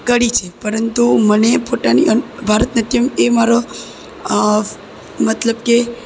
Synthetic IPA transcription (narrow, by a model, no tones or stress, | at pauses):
kəɽit͡ʃʰepəɾənt̪umənepot̪aniʔənbʱaɾət̪nət̪jəmemaɾo | mət̪ləbke